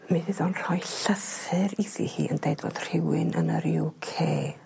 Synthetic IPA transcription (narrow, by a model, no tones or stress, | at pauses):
miðɪðɔnr̥ɔjɬəθɛɾiθihḭːə̰ndejdvo̰d̥r̥ɪwɪnʔə̰nəɾɪwkʰeː